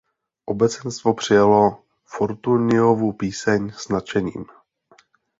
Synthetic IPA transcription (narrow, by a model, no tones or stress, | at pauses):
ʔobɛt͡sɛnst̪vo̞pr̝̥ɪjalo̞ | foɾt̪unɪovupiːsɛɲsnat͡ʃɛɲḭːm